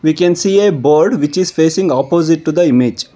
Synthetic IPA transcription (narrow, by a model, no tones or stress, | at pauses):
ʋikɛ̃nsiːeboːɾɖʋɪt͡ʃizfeːsĩŋɡɔːpoːzɪʈːud̪əɪmid͡ʒ